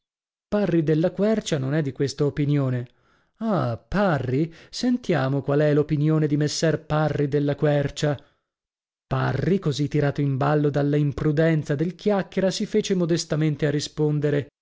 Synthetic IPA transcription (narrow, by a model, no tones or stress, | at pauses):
parːid̪elːakwɛrt͡ʃanonɛd̪ːikwest̪aopinjoːne | aparːisent̪jaːmokwalɛlopinjoːned̪imesːɛrparːid̪elːakwɛrt͡ʃa | parːikozit̪ːiɾaːt̪oimbalːod̪alːaimpɾud̪ɛnt̪sad̪elkjakːeɾasifeːt͡ʃemod̪est̪ament̪earːispond̪eɾe